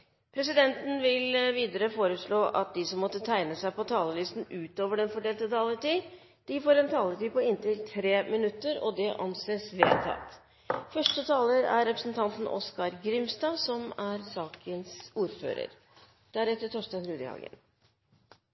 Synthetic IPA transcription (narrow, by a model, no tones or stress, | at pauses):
pʰɾɛsɪd̪ɛnt̪n̩ʋɪlʋiːd̪əɾəfoːɾəsɭoːʔɑt̪̚d̪ɪsɔmːɔt̪ːət̪ʰæɪnəsæɪpɔt̪ʰɑːləlyːst̪n̩ʉːt̪oːʋəɖɛnfɔɖeːlt̪ət̪ʰɑːləʈiː | d̪̥ɪfoːɾɛnt̪ʰɑːlətiːpɔɪnt̪ɪlt̪ʰɾeːmɪnʉt̪ːəɾɔd̪ɛʔɑ̰nseːsʋḛːlt̪ʰɑ̰t̪ | fœʂʈət̪ʰɑːləɾæɾɾɛpɾəsn̩t̪ʰɑnt̪n̩ʔɔ̰skɑɾɡɾɪmst̪ɑːʋsɔmæɾsɑːkʰənsuːɾfø̰ːɾə̰ɾ | d̪̥æɾɛt̪ːəʈʰɔʂʈ̪ɑnɾʉːd̪ə̰hɑ̰ɡə̰n